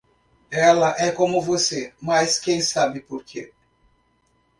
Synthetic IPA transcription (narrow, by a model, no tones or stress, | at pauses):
ɛlɐʔɛkõmʊvosemɐskẽj̃sabɪpoɾkʰe